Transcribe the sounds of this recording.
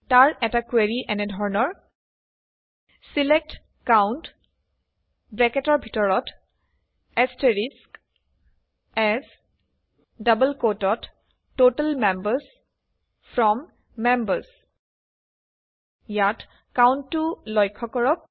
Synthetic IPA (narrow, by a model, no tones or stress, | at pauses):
taɹʔɛtakweɹiʔɛnɛdʱɔɹnɔɹ | silɛk̚t | kawnt | bɹɛkɛtɔɹbʱitɔɹɔt | ɛsteɹisk | ɛz | dʌbəlkotɔtː | otalmɛmbəɹs | pʰɹɔmː | ɛmbəɹs | jat | kawnːulɔjkʰːɔkɔɹɔk̚